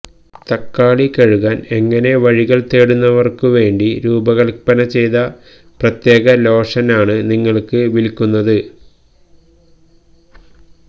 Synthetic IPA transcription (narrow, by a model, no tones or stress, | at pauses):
t̪ɐkːaːɭikɐɻuɣaːne̞ŋːɐne̞ʋɐɻiɣɐɭt̪e̞ːɽunːɐʋɐrkɨʋe̞ːɳɖiɾuːbɐɣɐɭpɐnɐt͡ɕe̞jðɐ | prɐt̪je̞ːɣɐlo̞ːʂɐnaːɳɨniŋːɐɭkɨʋilkːunːɐðɨ